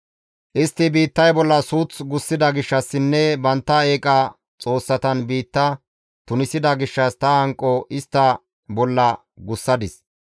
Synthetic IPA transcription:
ʔɪst̪ːɪbiːt̪ːɐjbɔlːɐsuːt͡sɡʊsːɪd̪ɐɡɪʃːɐsːɪnːɛbɐnt̪ːɐe̞ːkʼɐ | t͡sʼo̞ːsːɐt̪ɐnbiːt̪ːɐ | t̪ʊnɪsɪd̪ɐɡɪʃːɐst̪ɐɐŋkʼːɔʔɪst̪ːɐ | bɔlːɐ | ɡʊsːɐd̪ɪs

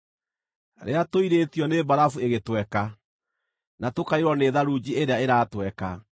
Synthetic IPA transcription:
ɾḛatoiɾetiɔnebaɾafueɣetwɛka | natokaiɾwɔneːðaɾuːd͡ʑieɾeaeɾaːtwɛka

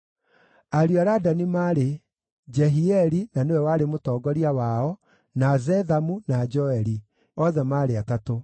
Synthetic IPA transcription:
aɾjaɾadanimaːɾe | d͡ʒɛɦiɛɾinanewɛwaɾemotɔːɡɔɾiawaɔ | nazɛðamunad͡ʒɔɛɾi | ɔðɛmaːɾeatato

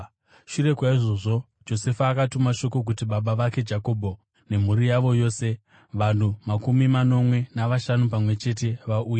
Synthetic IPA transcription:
ʃure̞kwaiʐo̞ʐo̞ | d͡ʒo̞se̞faːkatumaʃo̞ko̞k̬utiɓaɓaʋake̞d͡ʒako̞bʱo | ne̞m̤uɾijaʋo̞jo̞ːse̞ | ʋan̤umakumimano̞mwe̞naʋaʃanupamwe̞t͡ʃe̞t̬e̞ʋaʔuːja

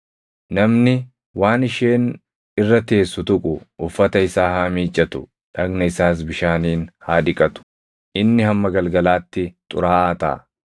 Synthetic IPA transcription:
nɐmnɪ | waːnɪʃeːn | ɪrːɐt̪e̞ːsːʊt̪ʊkʼʊʊfːɐt̪ɐɪsaːhamiːt͡ʃʼːɐt̪ʊ̰ | ᶑɐɡnɐɪsaːs̬bɪʃaːniːnhaːᶑɪkʼɐt̪ʊ̥ | ʔɪnːɪhɐmːɐɡɐlɡɐlaːt̪ːɪt̪ʼʊ̰ɾaːʔaːt̪ɐ̰ː

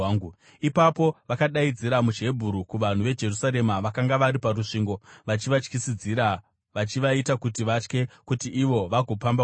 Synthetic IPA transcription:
ŋɡu | ipapo̞ʋakaɗaid͡ziɾamud͡ʒe̞bʱuɾukuʋan̤uʋe̞d͡ʒe̞rusaɾe̞maʋakaŋɡaʋaɾiparuʂiːŋɡo̞ʋat͡ʃiʋat͡ʃkisid͡ziɾa | ʋat͡ʃiʋaitakutiʋat͡ʃke̞kutiʔiʋo̞ʋaɡʱo̞pamba

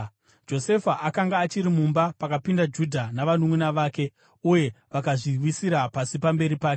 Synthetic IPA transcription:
d͡ʒo̞se̞faʔakaŋɡaːt͡ʃiɾimumbapakapindad͡ʒudʱanaʋanumwunaʋaːke̞ | uje̞ʋakaʐiwisiɾapasipambe̞ɾipaːke

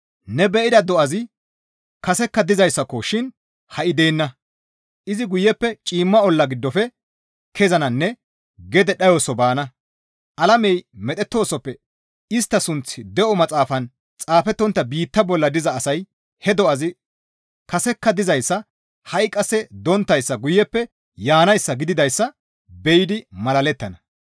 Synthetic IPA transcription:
nɛbɛʔɪd̪ɐd̪ɔʔɐzɪ | kɐsɛkːɐd̪ɪzɐjsːɐkɔʃɪn | hɐʔɪd̪e̞ːnːɐ | ʔɪzɪɡʊjːɛpːɛt͡ʃʼiːmːɐɔlːɐɡɪd̪ːɔfɛ | kʰɛzɐnɐnːɛ | ɡɛd̪ɛɗɐjɔsɔbaːnɐ | ʔɐlɐmɛjmɛt̪ʼɛt̪ːo̞ːsɔpːɛ | ɪst̪ːɐsʊnt͡sːɪd̪ɛʔɔmɐt͡sʼaːfɐn | t͡sʼaːfɛt̪ːɔnt̪ːɐbiːt̪ːɐbɔlːɐd̪ɪzɐːsɐj | hɛd̪ɔɐzɪ | kɐsɛkːɐd̪ɪzɐjsːɐ | hɐjkʼːɐsɛd̪ɔnt̪ːɐjsːɐɡʊjːɛpːɛ | jaːnɐjsːɐɡɪd̪ɪd̪ɐjsːɐ | bɛjɪd̪ɪmɐlɐlɛt̪ːɐnɐ

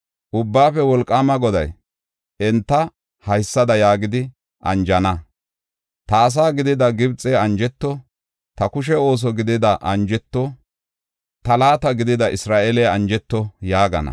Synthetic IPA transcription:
ʔʊbːaːfɛwɔlkʼːaːmɐɡɔd̪ɐ̰j | ʔɛnt̪ːɐ | hɐjsːɐd̪ɐjaːɡɪd̪ɪ | ʔɐ̰nd͡ʒɐnɐ | t̪ɐːs̬aːɡɪd̪ɪd̪ɐɡɪbt͡sʼːɛɐnd͡ʒɛt̪ːɔ | t̪ɐkʊʃ̬ɛo̞ːs̬ɔɡɪd̪ɪd̪ɐʔɐnd͡ʒɛt̪ːɔ | t̪ɐlaːt̪ɐɡɪd̪ɪd̪ɐʔɪsɾaːʔeːlɛɐnd͡ʒɛt̪ːɔjaːɡɐ̰nɐ̰

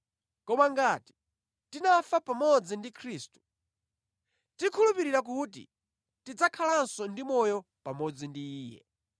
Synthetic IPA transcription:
kɔmaŋɡati̥ | tinafapamɔd͡zindikʰɾiːstu̥ | tikʰulupiɾiɾak̬utḭ | tid͡zakʰalansɔndimɔjɔ | pamɔd͡zindiːjɛ̰

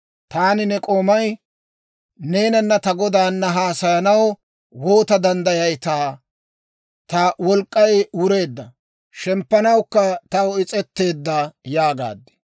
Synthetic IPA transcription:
t̪aːnɪnɛkʼoːmɐj | ne̞ːnɐnːɐt̪ɐɡɔd̪aːnːɐɦaːsɐjɐnɐw | wo̞ːt̪ɐd̪ɐnd̪ɐjɐjt̪aː | t̪ɐwɔlkʼːɐjʊɾe̞ːd̪ːɐ | ʃɛmpːɐnɐwkːɐt̪ɐwɔɪt͡sʼɛt̪ːe̞ːd̪ːɐjaːɡa̰ːd̪ːɛ̥

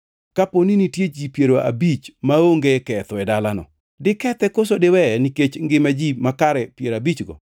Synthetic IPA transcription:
kaponinitjed͡ʒipjeɾoa̰bit͡ʃmaoŋɡekɛt̪ɔɛdalanɔ̰ | dɪkɛt̪ɛkosodɪwɛniket͡ʃŋɡɪmad͡ʒimakaɾɛpjeɾabit͡ʃɡɔ̰

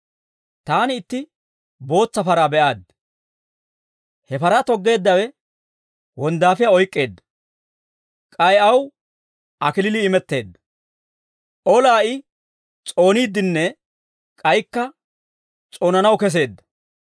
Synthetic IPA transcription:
t̪aːnɪːt̪ːɪ | bo̞ːt͡sːɐfɐɾaːbɛʔaːd̪ | hɛfɐɾat̪ɔɡːe̞ːd̪ːɐwɛ | wɔnd̪aːfɪjaɔjkʼːe̞ːd̪ːɐ̥ | kʼɐjɐw | ʔɐkɪlɪlɪːmɛt̪ːe̞̰ːd̪ːɐ̥ | ʔɔlaːʔɪ | t͡sʼo̞ːniːd̪ːɪnːɛ | kʼɐjkːɐ | t͡sʼoːnɐnɐwkɛs̬e̞ːd̪ːɐ̥

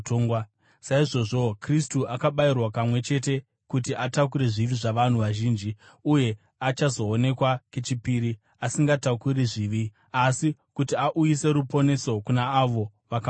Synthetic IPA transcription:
toːŋɡwa | saiʐo̞ʐo̞kristuʔakaɓairwapamwe̞t͡ʃe̞t̬e̞ | kut̬iʔatak̬uɾeʐiʋiʐaʋan̤uʋaʒiːnd͡ʒi | uje̞ | at͡ʃazo̞ːne̞kwaket͡ʃipiɾi | asiŋɡatakuɾiʐiːʋi | asikutiaʔujise̞ɾupo̞ne̞so̞kunaːʋo̞ʋaka

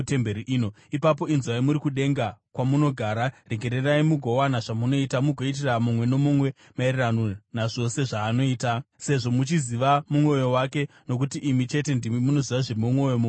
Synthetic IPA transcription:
tembeɾiʔino | ipap̬o̞inzwaimuɾikuɗe̞ŋɡakwamuno̞ɡʱaːɾareɡʱe̞ɾeraimuɡʱo̞wanaʐamuno̞itamuɡʱo̞it̬iramumwe̞no̞mumwe̞ | mairiranonaʐo̞se̞ʐaːno̞iːtase̞ʐo̞mut͡ʃiziʋamumwo̞jo̞wak̬e̞ | no̞k̬utiʔimit͡ʃe̞te̞ndimimuno̞ziʋaʐemumwo̞jomu

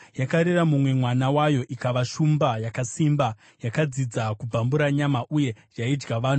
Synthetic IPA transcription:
jakaɾeramumwe̞mwanawajo̞ʔikaʋaʃumbajakasimba | jakad͡zid͡zakub͡vambuɾaɲamaʔuje̞d͡ʒaid͡ʒɡaʋaːnu

